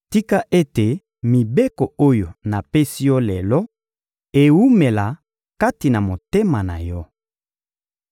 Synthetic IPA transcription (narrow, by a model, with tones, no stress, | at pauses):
ti˦ka˦ʔe˦te˨ | mi˨be˦ko˨o˦jo˨na˨pe˦si˦jɔ˦lɛ˨lɔ˦ | e˨wu˦me˨la˨ | ka˦ti˨na˨mo˨te˦ma˨na̰˨jɔ˦